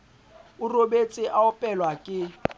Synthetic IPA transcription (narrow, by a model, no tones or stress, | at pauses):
ʊrobet͡sʼɪʔaʊpʼɛlwakʼɪ